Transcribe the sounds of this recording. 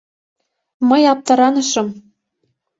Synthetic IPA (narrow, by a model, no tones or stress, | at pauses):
mɤjɑp̚t̪ɑɾɑnɤ̆ʃɤ̆m